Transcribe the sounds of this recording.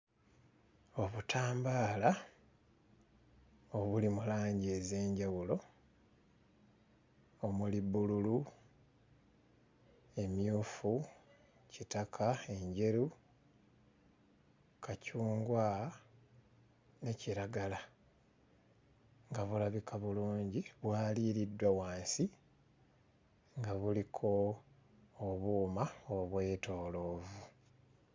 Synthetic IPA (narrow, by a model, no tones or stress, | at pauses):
o̞βutʰaːmbaːla | o̞βulimulaːɲɟe̞ze̞ːɲɟawulo̞ | omuliβululu | e̞mjuːfu | citakʰae̞ɲɟe̞ɾu | kacuːŋɡwa | ne̞ciɾaɡala | ŋɡaβulaβikʰaβuluːɲɟiβwaːliɾidːwawaːnsi | ŋɡaβulikʰo̞ː | βuːmaoβwe̞ːto̞ːlo̞ːvu